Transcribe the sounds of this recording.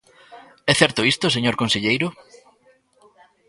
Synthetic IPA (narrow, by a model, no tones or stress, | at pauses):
ɛθɛɾt̪ʊist̪os̬eɲoɾkõnseʎejɾʊ